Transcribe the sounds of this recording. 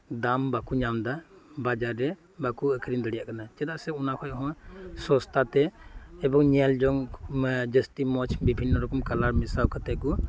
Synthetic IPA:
d̪ambakuɲamd̪abad͡ʒaɾːɛ | bakuəkʰəɾind̪əɽijaʔkanat͡ʃɛd̪aʔsɛunakʰɔjɦɔ̃sɔst̪ʰat̪ɛɛbɔŋɲɛld͡ʒɔŋd͡ʒəstimɔt͡ʃʰbibʱinːɔɾɔkɔmkalaɾmisawkʰat̪ɛkɔ

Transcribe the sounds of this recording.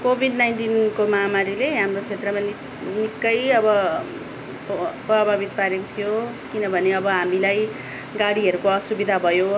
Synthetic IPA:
kobʱiɖnajnʈinkomamaɾileɦamrot͡sʰet̪rʌman | nikːʌjʌbʌ | pʌbʱabit̪̚paɾjekot̪ʰijo | kinʌbʱʌneʌbʌɦamilaj | ɡaɽiɦʌɾukoʌsubid̪ʱabʱʌjo

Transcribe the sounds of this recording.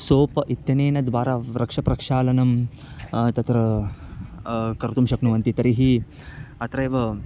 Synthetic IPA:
soːpɐʔit̪jɐneːnɐd̪ʋaːɾaːɾɐkʂɐpɾɐkʂaːlɐnɐm | t̪ɐt̪ɾɐ | kɐɾt̪umʃɐknuʋɐnt̪it̪ɐɾiɦi | ɐt̪ɾɐjʋɐ

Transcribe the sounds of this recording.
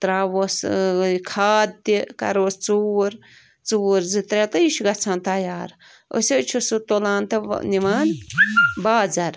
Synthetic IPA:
t̪ɾaːʋoskʰaːd̪ikɐ̰ɾoːst͡suːɾ | t͡suːɾzɨt̪ɾʲet̪ɐiʃɡɐt͡sʰãːnt̪ɐjaːɾ | o̰sʲet͡ʃʰusut̪olãːnt̪ɐ̰niʋaːn | baːd͡zɐɾ

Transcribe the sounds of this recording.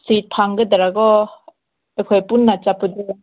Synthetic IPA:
sit̪ʰːaŋɡɯd̪aɾaɡɔ | ekʰɔjpunːat͡ʃapɯdɯ

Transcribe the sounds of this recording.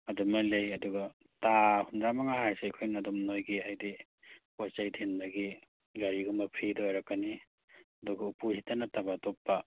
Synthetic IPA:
adumalejɐduɡa | tahunɾamaŋahajsejkʰojnadɔmnojɡiajdi | pot͡ʃajtʰenbaɡi | ɡaɾiɡumapʰɾidɔjɾakːani | ɐduɡaupuhitanatabatɔpːa

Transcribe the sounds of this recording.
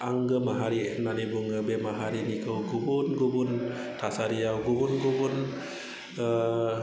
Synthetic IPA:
aŋɡɯmaɦaɾinanibuŋɯbemaɦaɾinikʰɯwɡubunɡubun | t̪ʰasaɾijawɡubunɡubun

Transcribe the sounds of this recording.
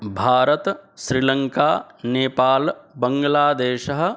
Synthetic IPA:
bʱaːɾɐt̪ʃɾilɐŋkaːneːpaːlbɐŋɡlaːd̪eːʃɐɦ̆

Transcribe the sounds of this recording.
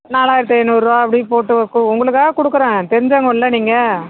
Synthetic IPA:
naːlaːjɪɾt̪ːɐɛnːɾɯʋaːɐpːɐɽɪpoːʈːɯʋɐkːɯʊŋɡɐɭɯkːaːɣɐkɔɽɯkːɯɾẽːt̪ɛɾɪɲd͡ʒaːŋɡɐɪlːɐniːŋɡɐ

